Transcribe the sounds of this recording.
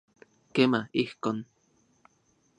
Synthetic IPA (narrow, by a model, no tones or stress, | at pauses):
kemaihkon